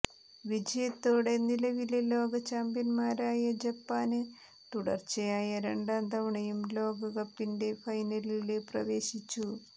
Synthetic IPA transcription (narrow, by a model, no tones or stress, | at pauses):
ʋid͡ʑɐjɐt̪ːo̞ːɽe̞nilɐʋilelo̞ːɡɐt͡ɕːaːmbjɐnmaːɾaːjɐd͡ʑɐpːaːnɨ | t̪uɽɐ̰rt͡ɕɐjaːjɐɾe̞ɳɖaːnd̪ɐʋɐɳɐjumlo̞ːɡɐɣɐpːinde̞fɐjnɐlileprɐ̰ʋe̞ːɕit͡ɕːu